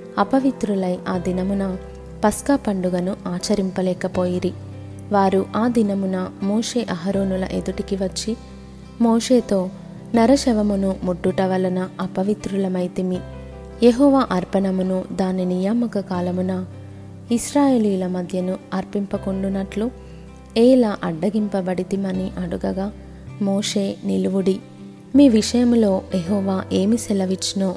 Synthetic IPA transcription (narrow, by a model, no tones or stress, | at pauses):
ɐpɐʋit̪ɾulɐjʔaːd̪inɐmunɐ | pɐskaːpɐɳɖuɡɐnuaːt͡ʃɐɾimpɐlɛːkɐpo̞ːjiɾi | ʋaːɾuʔaːd̪inɐmunɐmoːʂe̞ːʔɐɦɐɾoːnulɐ̰ʔed̪uʈikiʋɐt͡ʃːi | moːʂe̞ːt̪o̞ː | nɐɾɐʃɛʋɐmunumuɖːuʈɐʋɐlɐnɐɐpɐʋit̪ɾulɐmɐjt̪imi | jeɦɔːʋaːʔɐɾpɐnɐmunud̪aːninijaːmɐkɐkaːlɐmunɐ | isɾaːje̞ːliːjulɐmɐd̪ʱjɐnuɐɾpimpɐkuɳɖunːɐʈlu | ɛːlaːʔɐɖːɐɡimpɐbɐɽit̪imɐniʔɐɽuɡɐɡaː | moːʂe̞ːniluʋuɽi | miːʋiʂɐjɐmlo̞ːjeɦɔːʋaːʔe̞ːmisɛlɐʋit͡ʃːinoː